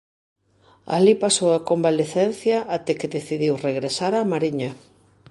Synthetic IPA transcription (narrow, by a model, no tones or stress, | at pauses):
a̰lipasowakombaleθɛn̟θjɐʔat̪ɛkeðeθiðiwreɣɾesaɾamaɾiɲa